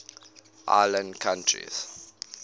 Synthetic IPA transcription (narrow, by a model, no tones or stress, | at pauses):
ʔa̰lə̃ndkʰãntʰɹḭz̥